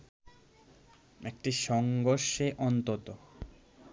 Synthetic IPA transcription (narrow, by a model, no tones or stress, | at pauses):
ek̚ʈiʃɔŋɡoɾʃeʔɔnt̪ot̪o